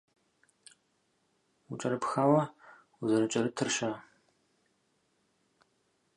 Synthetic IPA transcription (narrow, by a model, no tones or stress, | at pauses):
ut͡ʃʼɐɾɨpxaːwɐ | uzɐɾɨt͡ʃʼɐɾɨtʰɨrɕa